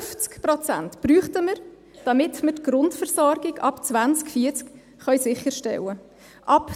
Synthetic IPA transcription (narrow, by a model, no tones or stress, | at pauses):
ft͡skpɾɔt͡sæ̰ntpɾyːχtəməɾ | d̥ɑmɪtmətɡɾʊntfəɾsɔɾɡɪɡɑ̰pt͡svʋant͡skfiːɾt͡sk | χœjsɪχəɾʃtɛ̰lə | ʔɑp